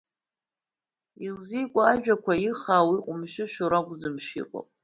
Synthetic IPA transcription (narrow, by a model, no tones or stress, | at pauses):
ilzijkʷʼaaʒᶣakʷʰaiχaːwiqʷʼʊmʃɪʃᶣoɾakʷzɨmʃḭqʼo̰pʼ